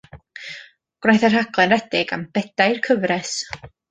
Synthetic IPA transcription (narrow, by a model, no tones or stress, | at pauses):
ɡ̥rajθɛr̥haɡlˠɛɾɛtɪɡamb̥ɛdajrkʰəvɾɛs